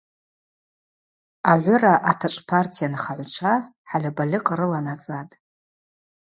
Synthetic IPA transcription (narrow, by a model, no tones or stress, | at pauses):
aʕʷʊraʔatʰaʈ͡ʂʷʼpʰartʰijanχaʕʷt͡ʃʷʰaħalʲabalʲɪqʼaɾɨlanat͡sʼatʼ